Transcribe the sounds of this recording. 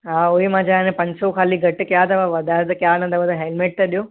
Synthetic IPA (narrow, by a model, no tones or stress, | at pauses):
ɦãːoɦimãːd͡ʒãnẽpɐ̃ɲsokʰaːliɡʱɐʈkjat̪ɐʋaʋɐd̪ʱat̪ɐkjanɐ̃t̪ɐʋəd̪aɦeːlmeːʈ̚t̪ɐɗijoː